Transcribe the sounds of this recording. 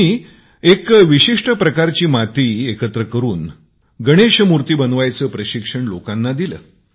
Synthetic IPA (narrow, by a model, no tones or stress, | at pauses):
iː | ekʋiɕiʂʈəpɾəkaɾt͡ɕiːmat̪iːekət̪ɾəkəɾuːn | ɡəɽ̃eɕmuɾt̪iːbənʋajt͡səːpɾəɕikʂəɳlokanːad̪ilə̰ː